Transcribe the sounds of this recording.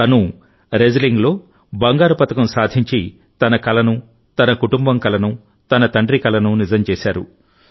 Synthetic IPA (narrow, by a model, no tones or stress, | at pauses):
ɐnu | ɾed͡ʒɐliŋɡlo̞ː | bɐŋɡaːɾupɐt̪ɐkɐmsaːd̪ʱiɲt͡ʃi | t̪ɐnɐkɐlɐnu | t̪ɐnɐkuʈumbɐmkɐlɐnu | t̪ɐnɐt̪ɐɳɖɾikɐlɐnunid͡ʒɐmt͡ʃeːsaːɾṵ